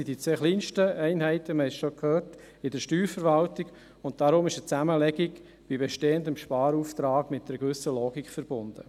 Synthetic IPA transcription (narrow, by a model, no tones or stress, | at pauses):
id̥it͡sʋeːχliːnʃtəɛɪnɦɛɪtəməhɛʃokʰhøːɾt | ɪdəɾʃtyːɾfəɾʋɑltiɡ | ʊnt̚d̥aɾʊmɪʃət͡sæməlɛɡɪɡ | b̥ibeʃteːəndəmʃpɑːɾuːft̪ɾaːɡmɪt̚d̥əɾɡvʏsəloːɡikfəɾb̥ʊnd̥ə̰